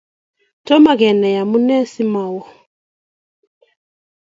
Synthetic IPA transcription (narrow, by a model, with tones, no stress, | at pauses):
tɔ˦ma˨ɣɛ˨nɛ˨ja˨mu˦nɛ˦si˦ma˨wɔ˨